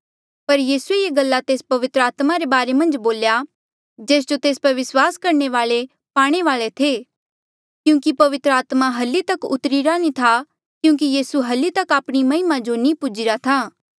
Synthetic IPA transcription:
pɐɾjiːsuejeɡɐlːat̪eːspɐʋɪt̪ɾaːt̪maɾebaːɾemɐ̃nd͡ʒboːlja | d͡ʒeːs̬d͡ʒot̪eːspɐɾʋɪswaːskɐɾɳeʋaːɭe | paːɽ̃eʋaːɭet̪ʰeː | kjũːkipɐʋɪt̪ɾəaːt̪maɦɐlːit̪ɐkʊ̰t̪ɾiɾanĩt̪ʰa | kjũːkijiːsuɦɐlit̪ɐkaːpɽ̃imɐɪmad͡ʒonĩpʊd͡ʒiɾat̪ʰaː

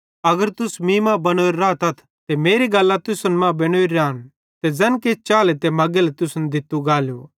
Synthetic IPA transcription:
ɐɡəɾt̪ʊsmĩːmãbɐnoːeɾːaːt̪ɐt̪ʰ | t̪emeːɾiɡɐlːat̪ʊsʊnmãbeːɽ̃oːiɾaːn | t̪ed͡zɛːnkeːt͡ʃaːlet̪emɐɡelɛt̪ʊsʊnd̪ɪt̪ːuɡaːljo̰

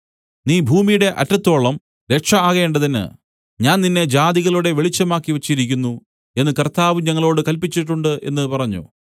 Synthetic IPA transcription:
niːbʱuːmijuɽe̞ʔɐ̰tːɐt̪ːo̞ːɭɐm | ɾe̞kʂɐaːɣeːɳɖɐðinːɨ̰ | ɲaːnninːe̞d͡ʑaːðiɣɐɭuɽe̞ʋe̞ɭit͡ɕːɐmaːkːiʋɐt͡ɕːiɾikʲːunːu | e̞nːɨkɐrt̪aːʋuɲɐŋːɐɭo̞ːɽɨkɐlpit͡ɕːiʈːuɳɖɨʔe̞̰nːɨpɐrɐɲːṵ

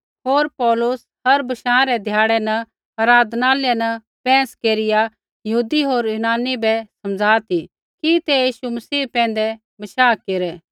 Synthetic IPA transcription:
ɦoːɾpɔːlʊs | hɐɾbɐʃãːɾɛd̪ʱjaːɽɛnɐ | ɐɾaːd̪naːljɛnɐ | pɛ̃ːskeːɾɪja | jɐɦuːd̪iɦoːɾjʊnaːnːibɛsɐmd͡zʱaːt̪ʰi | kit̪ejiːʃumɐsiːpɛ̃ːnd̪ɛ | bɐʃaːkeːɾɛː

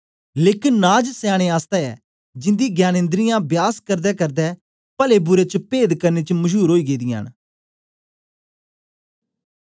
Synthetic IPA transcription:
leːkɪnːaːd͡ʒsaːɽ̃eːaːst̪ɛɛ̰ː | d͡ʒɪ̃nd̪iɡjaːnẽnd̪ɾɪjãbjaːskəɾd̪ɛːkɐɾd̪ɛː | pəlebʊɾet͡ʃəpeːd̪kɐɾneːt͡ʃəməd͡ʒuːɾɦoːiːɡeːd̪ɪja̰ːn

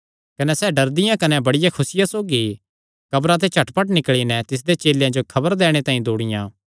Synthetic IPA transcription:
kɐnɛsɛːɖɐɾd̪ɪjãkɐnɛbɐɽɪjakʰʊsɪjasoːɡi | kɐbɾãt̪̬et͡ʃʰɐʈpɐʈnɪkɭinɛt̪ɪs̬d̪et͡ʃeːljãd͡ʒokʰɐbəɾd̪ɛːɽ̃et̪ãːĩd̪oːɽɪjãː

